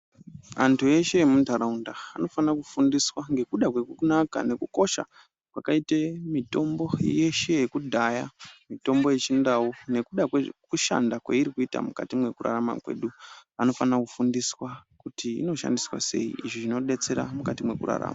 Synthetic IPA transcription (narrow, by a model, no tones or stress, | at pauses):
antʰue̞ʃe̞jemuntaɾaundaːno̞fanakufundiswaŋɡe̞kuɗakwe̞kunaka̰ne̞kuko̞ʃa̰ | kwakaitemito̞mbo̞je̞ʃe̞jekudʱajamito̞mbo̞je̞t͡ʃindawone̞kuɗakwekuʃa̰ndakweiɾikuita̰muka̰timwe̞kura̰ɾama̰kwe̞̰ːɗuano̞fanakufundiswakutʰiḭno̞ʃa̰ndiswa̰se̞̰iiʐiʐino̞ɗe̞t͡se̞ɾa̰mukatimwekṵra̰ra̰ːmaa